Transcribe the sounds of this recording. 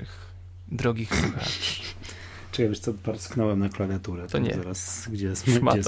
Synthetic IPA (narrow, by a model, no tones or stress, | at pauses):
ɪx | d̪ɾɔɡʲixsuxa̰t | t͡ʂɛɡavʲiʂt̪sɔpaɾsknɔwɛmnaklavʲjat̪uɾɛt̪ɔɲɛ̰ɛɾasɡd͡ʑɛsma̰ɛ